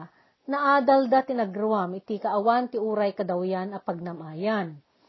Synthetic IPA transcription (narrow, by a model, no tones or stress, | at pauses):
nɐʔaːd̪ald̪at̪ɪnɐɡɾʊwamɪt̪ikɐʔɐwant̪ɪʔuːɾɐjkɐd̪ɐwjanɐpɐɡ̚nɐmʔaːjan